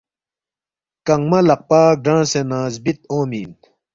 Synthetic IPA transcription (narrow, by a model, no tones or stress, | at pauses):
kɐŋmɐlɐq̚paːk̚ɖãːsenãːzbit̪̚oːmiːn